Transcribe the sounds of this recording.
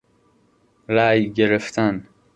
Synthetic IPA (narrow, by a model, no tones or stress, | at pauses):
ɾæːjɟe̞ɾeft̪ʰæn